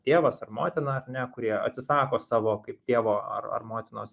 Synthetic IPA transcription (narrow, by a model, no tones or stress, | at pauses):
t̪ʲeːʋɐsɐrmoːt̪ʲɪnɐɐrnʲɛkʊɾʲiɛɐ̰t̪ʲsʲɪsɑːkoːsɑːʋoːkɐɪp̚t̪ʲeɛʋoːɐ̰rɐ̰rmoːt̪ʲɪnoːs